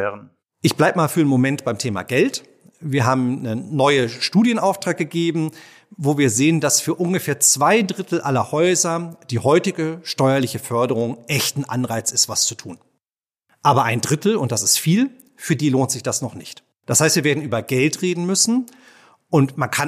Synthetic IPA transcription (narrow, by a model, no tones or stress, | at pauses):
ʔɪçb̥laɪbəmaːlfyːɐnmomɛntb̥aɪmtʰeːma̰ɡɛlt | viːɐɦaːbm̩nənɔʏəʃtuːdjənʔaʊftʁ̥aːk̚ɡ̥əɡeːbm̩ | voːviːɐzeːəndasfyːɐʔʊnɡəfeːɐt͡sv̥aɪdʁɪtl̩ʔalɐhɔʏzɐd̥iːhɔʏtɪɡəʃtɔʏɐlɪçəfœɐɾəʁ̞ʊŋʔɛçtn̩ʔanʁaɪt͡sɪstv̥ast͡su̥tʰṵːn | ʔaːbɐʔaɪndʁɪtl̩ʊnt̚d̥asɪstfiːl | fyːɐdiːloːntz̥ɪçd̥asnɔχnɪçt | d̥ashaɪstviːɐveːɐdn̩ʔyːbɐɡɛltʁ̥eːdn̩mʏsn̩ | ʔʊntmankʰa